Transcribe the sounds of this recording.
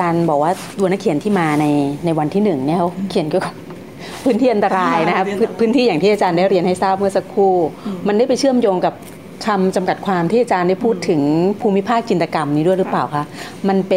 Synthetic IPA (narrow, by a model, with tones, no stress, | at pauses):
t͡ɕaː˧nbɔː˨˩k̚waː˥˩ | du˧na˦˥kʰi˩˦nt̪ʰiː˥˩maː˧na˧jna˧jwa˧nt̪ʰiː˥˩nɯ˨˩ŋni˦˥˩kʰi˨˩˦nkːkɔ˧˩ | pʰɯː˦˥nt̪ʰiː˥˩ʔa˧nt̪a˧ɾaː˧jna˦˥kʰa˦˥pʰɯː˦˥nt̪ʰiː˥˩aː˨˩ŋt̪ʰiː˥˩ʔa˧t͡ɕaː˧ndaː˥˩jɾi˧ənha˥˩jsaː˥˩p̚mɯ˥˩ɐsa˧˥kʰːuː˥˩ma˧nda˥˩jpa˧jt͡ɕʰɯ˥˩əmjoː˧ŋka˨˩p̚ | t̪ʰa˧mt͡ɕa˧mka˨˩t̪̚kʰwaː˧mt̪ʰiː˥˩a˧t͡ɕaː˧nda˥˩jpʰuː˥˩t̪ʰːɯ˩˦ŋpʰuː˧mi˦˥pʰaː˥˩k̚t͡ɕi˧nt̪a˧ka˧mniː˦˥du˥˩əjɾɯ˦˥paː˨˩wkʰa˦˥ | ma˧np